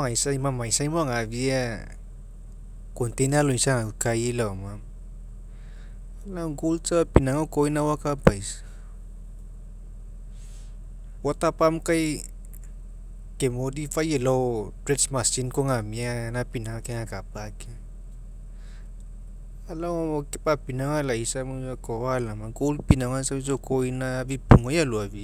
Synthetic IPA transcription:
ŋaisaimamaisaimoŋavia | kɔnt̪enaloisaŋakailawmam | alawɡultapinaŋakoinawakapaisa | wat̪apamkaj | kemodifajelotɾesmasinkoŋamianapinaŋakeŋakapake | alakepapinaŋalaisamuakowalamaɡolpinaŋansabisokʰoinabipuŋojaluaβi

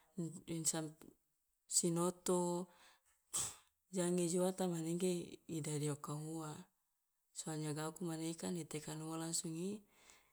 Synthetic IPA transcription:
insam | sinot̪o | d͡ʒaŋed͡ʒuat̪amaneŋɡeidadiokaɦua | soaɲaɡakumanekanet̪ekanumolasuŋi

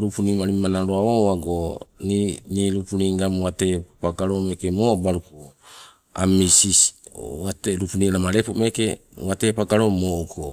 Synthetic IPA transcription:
ɾupunimaɾimanaɾoaoaɡoniniɾupuniŋɡamwate̞paɡaɾomekemobaɾuku | a̰misiswateɾupuniɾamaɾepume̞ke | wate̞paɡaɾomoko

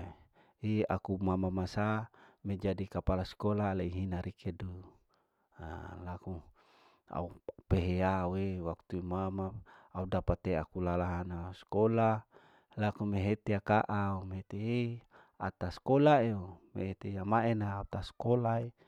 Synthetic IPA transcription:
ia̰kumamamasamed͡ʒadikapalaskolaleiɦinaɾikedu | a̰laku | a̰upeɦeauewakt̪uimamaaudapat̪eakulalaɦanaskola | lakumeɦet̪eakaʔaumeɦet̪ee | a̰t̪askolaeomḛɦet̪ejamaenaːt̪askolae

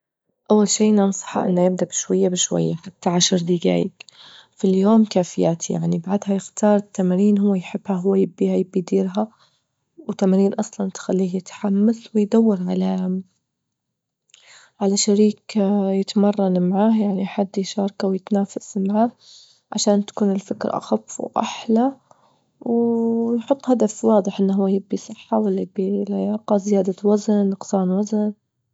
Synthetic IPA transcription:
ʔawːalʃiːʔnɑnsˤɑ̥ħɑ̰ʔɪ̰nːajɪb̚d̪abɪʃwajːabɪʃwa̰jːaħat̪ːaʕaʃɾˤd̪iːɡa̰ːjɪ̰kfiljoːmkaːfɪjaːt̪ʰija̰ʕnibaʕd̪ɦajɪxt̪ʰɑːɾˤɪt̪ːamɾiːnhʊwːajħɪbːhaɦʊwːajɪbːihajɪbːid̪iːɾɦa | wɪt̪ːamaɾiːnʔɑsˤlɑnt̪xalːiːhjɪt̪ħamːaθwɪjd̪awːɑɾˤʕala | ʕalaʃaɾiːkjɪt̪mɑrˤːɑnmaʕaːhjaʕniħad̪ːjʃɑːɾˤɑkawjɪt̪naːfasmaʕaː | ʕa̰ʃaːnt̪ḁkuːnɪlfɪkɾ̰ʔa̰xafːwʔa̰ħla | wjħʊt̪ˤːhad̪afwɑːd̪ˤɨħʔɪnːɦuwːajɪbːisˤɨħːawalːajɪbːilajɑːqɑzɪjaːd̪awaznːɑqsɑːnwazn

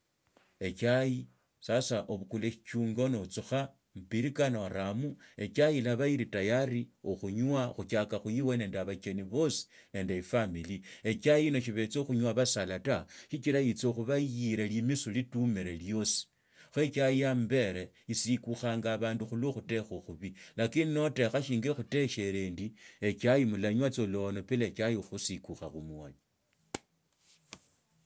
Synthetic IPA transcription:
e̞t͡ʃaji | sasaʔoβukuleʃi̥t͡ʃuːŋɡo̞not͡suxa | m̩piɾikanoɾamue̞t͡ʃajilaβajiɾitajaɾioxuɲwaxut͡ʃakaxujiwene̞ːndeaβat͡ʃeniβo̞si̥ | ne̞ːndeifamilie̞t͡ʃajino̞ʃiβe̞t͡soxuɲwaβasalataʃit͡ʃilajit͡so̞xuβajiɾelimisulitumeɾeljo̞si̥ | xwe̞t͡ʃajambe̞ɾe | isikuxaːŋɡaːβaːnduxuloxute̞xoxuβilakinino̞te̞xaʃiːŋɡexute̞ʃe̞ɾeːndie̞t͡ʃajimulaɲwat͡so̞lo̞no̞pilet͡ʃajixusikuxaxumuali

